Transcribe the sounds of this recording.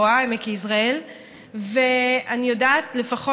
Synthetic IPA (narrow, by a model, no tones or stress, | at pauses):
aemekeisʁael | veanijodaːtle̞faχo